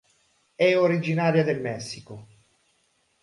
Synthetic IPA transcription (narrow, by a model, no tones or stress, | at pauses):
ɛoɾid͡ʒinaːɾjad̪elmɛsːiko